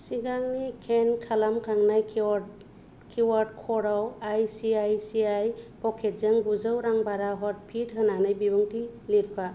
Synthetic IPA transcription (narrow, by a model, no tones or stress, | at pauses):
siɡaŋnikʰenkʰalamkʰaŋnajʰ | kʰiwaɾd̚kʰɔɾawajsiajsiajpʰɔkʰet̚zaŋɡuzɯwɾaŋbaɾaɦɔt̚pʰidɦɯnanɯjbibɯŋtiliɾpʰa